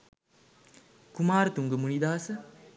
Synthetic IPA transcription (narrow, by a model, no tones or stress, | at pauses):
kumaːɾt̪uŋɡəmunid̪aːsə